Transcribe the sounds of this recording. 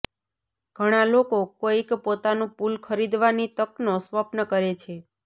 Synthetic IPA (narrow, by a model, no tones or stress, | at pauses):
ɡ̥ʱəɽ̃alokokoikpot̪anũpulkʰəɾid̪ʋanit̪əknosʋəpnəkəɾet͡ʃʰe